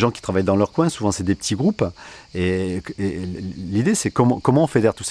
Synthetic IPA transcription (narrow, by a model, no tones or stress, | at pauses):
ʒɑ̃kʲi̥t̪χavajd̪ɑ̃lœʁkwɛ̃suvɑ̃sɛd̪epə̥t̪iɡʁupeelid̪esɛkɔmɑ̃kɔmɑ̃ɔ̃fed̪ɛʁt̪us